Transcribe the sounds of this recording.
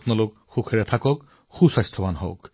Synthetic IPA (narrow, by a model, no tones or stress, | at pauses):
pnalok | xukʰɛɹɛt̪ʰakɔk | xusajst̪ʰɔbanɦɔ̰k